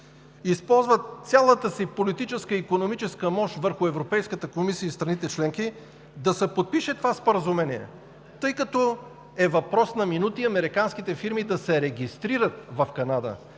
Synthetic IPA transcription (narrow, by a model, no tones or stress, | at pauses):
ispɔlˠzvət̪sʲjalˠət̪əsipolit̪it͡ʃɛskəikonomit͡ʃɛskəmɔʃt̪vəɾxʊɛvɾopɛjskət̪əkomisiəist̪ɾɐnit̪ɛt͡ʃlɛŋki | d̪ɐsɛpot̪̚piʃɛt̪ovaspoɾəzumɛniɛ̰ | t̪ɤjkɐt̪ɔ | ɛvɐpɾɔsnɐminut̪iɐmɛɾikansk̟it̪ɛfiɾmid̪ɐsɛɾɛɡʲist̪ɾiɾət̪vɐfkɐnad̪ə̰